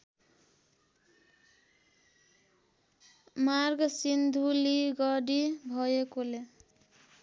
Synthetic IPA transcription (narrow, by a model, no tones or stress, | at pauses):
marɡʌsind̪ʱuliɡʌɽibʱʌjekole